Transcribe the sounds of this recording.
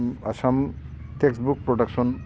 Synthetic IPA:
aʃam | tʰeksbuk̚pɾoɖakʃon

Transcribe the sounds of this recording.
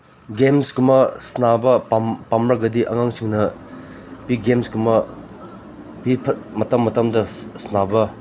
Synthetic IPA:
ɡemskumɐsnabɐpapamɾɐɡɐdiʔɐ̰ŋaŋsʰiŋnɐ | piɡemskumɐ | pipʰɐt̚mɐtɐmːɐtɐmdɐsnabɐ

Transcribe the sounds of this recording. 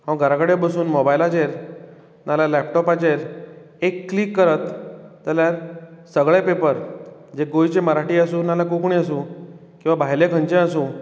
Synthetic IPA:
ɦãʋə̃ɡʱəɾakəɽebəsuːnmɔbajlat͡ɕeɾ | nalalɛpʈɔpat͡ɕeɾ | ekːlikːəɾət̪ːjaljaɾsəɡɭepepəɾd͡ʑeɡojt͡ɕeməɾaʈiːəsũːnalakukɳiəsũ | kĩwʋabʱaɦjlekʰə̃nt͡ɕẽəsũː

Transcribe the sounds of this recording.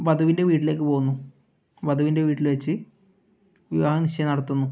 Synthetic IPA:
bɐd̪ʱɐʋinde̞ʋiːʈileːk̬ːɨpo̞ːunːu | bɐd̪ʱɐʋinde̞ʋiːʈːilʋet͡ɕːɨ | ʋiʋaːɦɐniʂɐjɐnːɐɽɐt̪ːunːu

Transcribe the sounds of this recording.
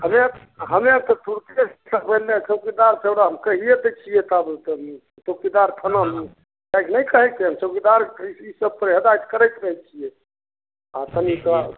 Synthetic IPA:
həme | ɦəmet̪ɔt̪ʰuɾt̪est̪ʰəpəɦlet͡ʃʰəwkid̪aɾseɽaɦəmkəɦijet̪ət͡ʃʰijet̪abəlt̪əm | t͡ʃəkid̪aɾkʰənam | kajknəjkəɦɛt̪eɦəmt͡ʃəkid̪aɾisəb̚p̪əɾɦəd̪ajt̪kəɾɛjt̪ɾəɦɛt͡ʃʰije | at̪ənika

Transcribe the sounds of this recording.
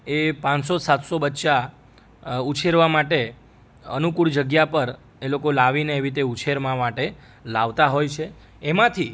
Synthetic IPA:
epãnsosat̪sobətːʃa | ut͡ʃʰeɾʋamaʈe | ə̰nukuɭd͡ʒəɡjapəɾ | elokolaʋineːʋit̪̬eut͡ʃʰeɾmãmaʈe | laʋt̪aɦojt͡ʃʰe | emãt̪ʰi

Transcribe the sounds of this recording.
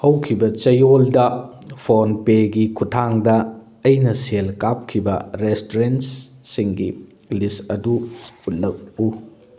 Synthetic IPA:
hɐwkʰibɐt͡ʃɐjoldɐ | pʰonpeɡikʰutʰaŋdɐː | jnɐselkap̚kʰibɐɾestoɾensːiŋɡi | lisɐduut̚lɐk̚u

